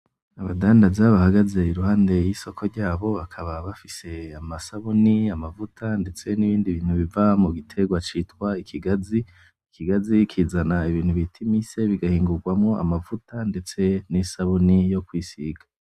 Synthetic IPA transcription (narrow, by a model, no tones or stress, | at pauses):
aβadaːndazaβahaɡaze̞iɾuhaːnde̞jiso̞kʰo̞ɾɟaːβo̞βakʰaβaβafise̞amasaβuniamavutʰande̞t͡se̞niβiːndiβiːn̥huβivamuɡitʰe̞ɡwat͡ʃitwaikʰiɡazi | ikʰiɡazikʰizanaiβiːn̥huβitʰimise̞βiɡahiːŋɡuɾɡwamŋo̞ʔa̰mavutʰandet͡se̞nisaβunijo̞kwiːsiɡḁ